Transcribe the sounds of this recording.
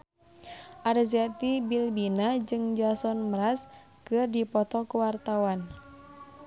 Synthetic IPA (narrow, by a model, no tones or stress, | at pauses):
ʔarziat̪ibilbinad͡ʒɨŋd͡ʒasɔnməɾas | kɨrdipɔt̪ɔkuwart̪awan